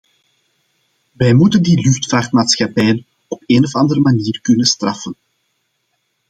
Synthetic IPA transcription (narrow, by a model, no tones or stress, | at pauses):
ʋɛjmutəndilʏxtfaːrtmaːtsxɑpɛːjən | ɔpeːnɔfɑndərəmaniːrkɵnənstrɑfən